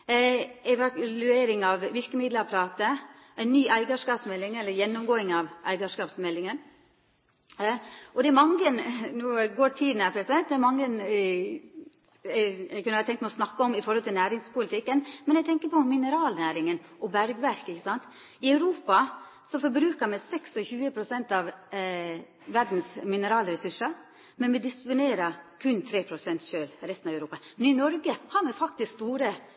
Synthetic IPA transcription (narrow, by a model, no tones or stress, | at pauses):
ɛʋɑlʉeːɾɪŋɑʋʋɪɾkəmɪd̪ləɾɑpʰɾɑːt̪əæɪnːyːʔæɪɡɑʂkɑːpsmɛlːɪŋɛlːəɾjɛnːʊmɡoːɪŋɑʋʔæ̰ɪɡɑʂkɑːpsmɛlːɪŋən | ɔd̪ɛæɾmɑŋənnuːɡoːɾt̪ʰiːd̪n̩æpʰɾɛsɛt̪̚d̪ɛæɾmɑŋːən | ɛɡkʉnəɑːət̪ɛŋt̪mɛɔsnɑkːəɔmɪfɔɾhɔlt̪ʰɪlnæːɾɪŋspʊlɪt̪ʰɪkːənmɛnɛɡ̚t̪ʰɛŋkəpɔmɪnəɾɑːlnæːɾɪŋən | ʔɔbæɾɡʋæɾkəɪçːəsɑnt̪ | ɪœʉɾuːpɑ | sɔfɔɾbɾʉːkəɾmɛsɛksɔçʉːəpʰɾʊsɛnt̪ɑʋ | ʋæɾɖ̪n̩smɪnəɾɑːləɾɛsʉʂəɾ | mɛnmɛd̪ɪspʊneːɾəkʰʉnt̪ʰɾeːpʰɾʊsɛnt̪ʃøːlɾɛst̪nɑʋœʉɾuːpɑmɛnɪnɔɾɡəhɑːɾmɛfɑk̚t̪ɪskst̪uːɾə